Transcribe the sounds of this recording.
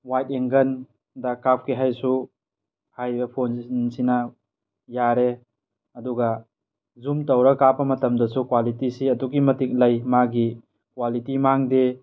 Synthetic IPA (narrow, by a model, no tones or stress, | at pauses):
wajt̚eŋɡɐn | dɐkap̚kiɦajsu | hajbɐpʰonnsina | jaɾe | ɐduɡɐ | zumtɐwɾɐkapɐmɐtɐmdɐsukwalitisiɐduɡimɐtik̚lɐjmaɡi | kwalitimaŋde